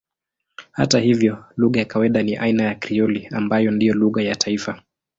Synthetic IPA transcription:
ha̰tahivjɔluɣajakawaiɗaniʔainajakɾiɔliambajɔndijɔluɣajatʰaifa

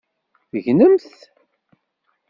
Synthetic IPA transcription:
θəʝnəmθ

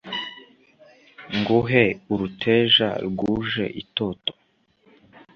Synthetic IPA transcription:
ŋɡuɦeuɾutʰe̞ːʒa̰ɾɡuːʒe̞̰ʔito̞to̥

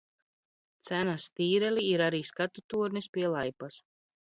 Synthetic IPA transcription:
t̪sænast̪iːɾɛliːɾaɾiːskat̪ut̪uɔɾnispʲiɛlˠajpas

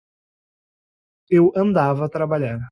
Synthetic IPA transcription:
ewɐ̃nd̪avɐːt̪ɾabaʎaɾ

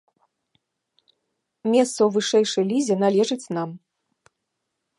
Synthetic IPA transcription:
mʲɛst̪sɐwvɨʂɛjʂɐjlʲizʲɛn̪alʲɛʐɨt͡sʲnam

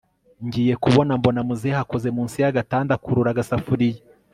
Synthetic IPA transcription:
ɲɟiːje̞kuβo̞nambo̞namuziehako̞ze̞muːnsijaɡataːndakuɾuɾaɡasafuɾiji

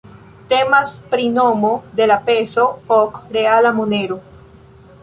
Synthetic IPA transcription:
te̞maspɾino̞mo̞de̞lape̞so̞okɾealamone̞ɾo

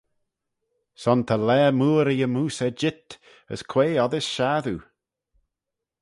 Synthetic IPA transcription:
sɔnt̪ʰəlɛːmuːɾijəmuːsɛd͡ʒɪt̪ | ə̰skʰw̥eːɔðɪsʃaːðu

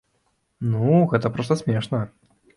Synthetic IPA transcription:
nuɣɛt̪ɐpɾɔst̪ɐsʲmʲɛʂnɐ

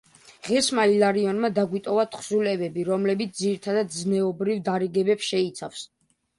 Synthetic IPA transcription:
ʁɛsmalilaɾiɔnmad̪aɡwit̪ʼɔvat̪ʰχsulɛvɛbiɾɔmlɛbit̪sʰd̪iɾit̪ʰad̪ad̪znɛɔbɾivd̪aɾiɡɛbɛpsʃɛit̪sʰafs

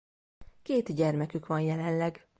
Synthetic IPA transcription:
keːt̪ɟɛrmɛkykʋɒnjɛlɛnlɛɡ

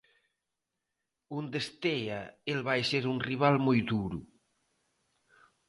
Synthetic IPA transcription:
und̪est̪eaelβajseɾuŋriβ̞almojd̪uɾṵ

